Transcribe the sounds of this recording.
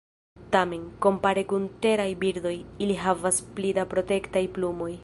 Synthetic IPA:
tame̞nko̞mpaɾekunte̞ɾajbiɾdo̞jiliɦavasplidapɾo̞te̞ktajplumo̞j

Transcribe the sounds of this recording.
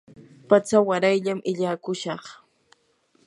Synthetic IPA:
pat͡sawaɾajʎamʔɪʎaːkʊʃɑχ

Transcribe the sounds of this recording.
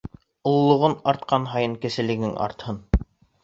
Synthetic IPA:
ŏlˠlˠːŏʁɤnɑɾt̪̚qɑnɦɑjɤɴkɘ̆sɘ̆lɘ̆ɡɘŋʔɑ̰ɾt̪hɤn

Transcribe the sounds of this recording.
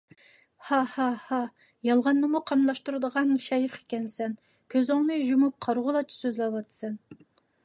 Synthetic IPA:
hɑhɑhɑ | jɑlˠʁɑnːɨmuqʰɑmlˠɑʃt̪uɾɨd̪əʁɑnʃɑjəqe̥kʲɛnsɛn | kʲʰøzoŋnɨʒumup̚qʰɑɾʁʊlˠɑt͡ʃʰi̥søzlɛwɑt̪sɨn

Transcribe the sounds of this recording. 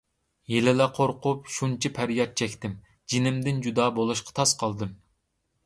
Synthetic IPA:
jelɪlɛqʰoɾqʊpʃunt͡ʃʰipʰæɾjɑt̪̚t͡ʃʰɛkʲt̪ɪm | d͡ʒinɪmd̪ɪnd͡ʒud̪ɑːbolˠuʃqʰɑ̥t̪ʰɑsqʰɑlˠd̪ɨm

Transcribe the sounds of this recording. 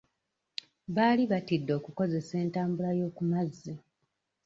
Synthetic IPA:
βaːliβatidːo̞ːkuko̞ze̞se̞ːntaːmbulajo̞ːkumazːi

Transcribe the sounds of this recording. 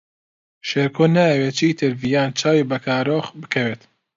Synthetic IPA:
ʃeːɾkʰoːnaːjɐweːt͡ʃʰit̪ʰɨɾvijaːnt͡ʃʰaːwibɐkʰaːɾoːxbɨ̥kʰɐweːt̪

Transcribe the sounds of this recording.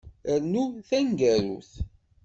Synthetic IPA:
əɾnuθæŋɡæɾṵθ

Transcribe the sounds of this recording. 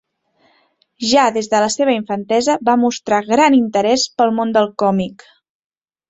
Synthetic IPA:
ʒaðezðələseβ̞əiɱfənt̪ɛzəbamust̪ɾaɣɾanint̪əɾɛspəlˠmond̪əlˠkɔmik

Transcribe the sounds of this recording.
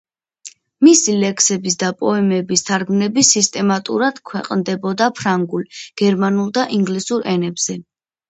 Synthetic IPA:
misilɛkʰsɛbis̬d̪apʼɔɛmɛbist̪ʰaɾɡmnɛbisist̪ʼɛmat̪ʼṵɾad̪̥kʰwɛ̰qʼnd̪ɛbɔd̪apʰɾaŋɡulɡ̥ɛɾmanulˠd̪aʔiŋɡlisuɾɛnɛbz̥ɛ

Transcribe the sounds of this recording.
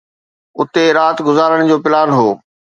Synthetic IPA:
ʊt̪eɾaːt̪ɡʊzaːɾəɽ̃̆d͡ʑoːpɪlaːnɦoː

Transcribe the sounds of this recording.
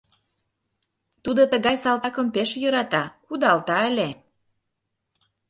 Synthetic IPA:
t̪ud̪ot̪əɣɑjsɑlt̪ɑkə̆mpeʃjə̆ɾɑt̪ɑkud̪ɑlt̪ɑele

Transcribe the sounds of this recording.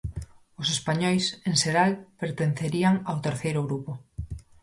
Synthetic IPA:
ʊsespaɲɔjseŋseɾalpeɾt̪enθeɾiaŋawt̪eɾθejɾʊɣɾupo

